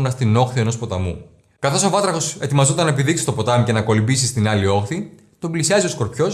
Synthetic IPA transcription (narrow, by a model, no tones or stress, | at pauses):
nɐst̪ino̞xθie̞no̞spo̞t̪ɐmṵ | kɐθo̞so̞vɐt̪ɾɐxo̞se̞t̪imɐzot̪ɐnɐepiðiksi̥st̪o̞po̞t̪ɐmuce̞nɐko̞libisist̪inɐlio̞xθi | t̪o̞mblisiɐzio̞sko̞ɾpço̞s